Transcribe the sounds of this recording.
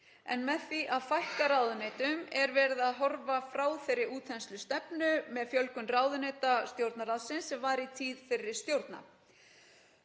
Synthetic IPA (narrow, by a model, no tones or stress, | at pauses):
ɛ̰nmɛðθiʔaðfajhkaɾaːwðʏnejt̪ʏmɛɾvɛːɾɪðaðɦɔɾvafɾaːwθɛjɾɪɾuːt̪ʰɛnst̪lʏst̪ɛpnʏmɛðfjœlkʏnraːwðʏnejt̪ast̪jowɾt̪naɾaðsɪnsːɛmvaɾit̪ʰiːðfɪɾɪɾ̥st̪jowɾt̪na̰